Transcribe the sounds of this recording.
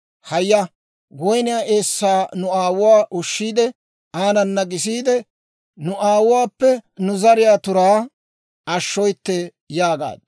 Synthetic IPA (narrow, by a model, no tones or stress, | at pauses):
hɐjːɐ | ɡɔjnɪjaːʔeːsːaːnʊaːwʊwaːʔʊʃːiːd̪ɛ | aːnɐnːɐɡɪsiːd̪ɛ | nʊʔaːwʊwaːpːɛnʊzɐɾɪjaːt̪ʊɾaː | ɐʃːɔjt̪ːɛ | jaːɡa̰ːd̪̚